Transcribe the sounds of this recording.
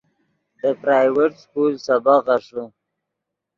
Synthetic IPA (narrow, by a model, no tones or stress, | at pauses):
d̪əpɾaːjweʈskulsabaɣaʂu